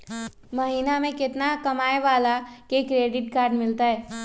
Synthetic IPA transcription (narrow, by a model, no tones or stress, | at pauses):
mɐɦiːnamẽkɪt̪nakɐmaːeʋaːlakekɾeːɖɪʈkaːɾɖmɪlt̪aɦɛː